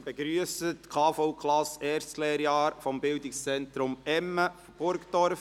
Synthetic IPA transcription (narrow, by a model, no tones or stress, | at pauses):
b̥ɛɡɾyəsətkʰɑːfoʊkʰlɑsɛːɾslɛːɾjɑːɾfɔmbɪldɪkst͡sɛntɾʊmɛmːəfb̥ʊɾktɔɾf